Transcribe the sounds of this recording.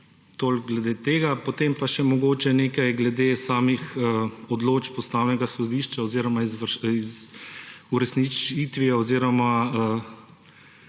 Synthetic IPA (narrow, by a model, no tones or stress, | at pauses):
t̪oːlkɡlɛd̪eːt̪eːɡapɔt̪empaʃɛmɔɡoːt͡ʃɛneːkajɡlɛd̪esaːmixəɔd̪loːt͡ʃpɔst̪aːwnɛɡasɔd̪iːʃt͡ʃaɔziːɾɔmazʋiz | uɾɛsnit͡ʃit̪ʋiaɔziːɾɔmaə